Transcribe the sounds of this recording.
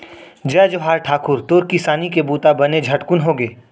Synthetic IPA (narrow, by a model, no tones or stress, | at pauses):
d͡ʒɛːd͡ʒoɦaːɾʈʰaːkʊɾt̪oːɾkɪsaːnikebuːt̪abɐned͡ʒʱɐʈkʊnɦoːɡeː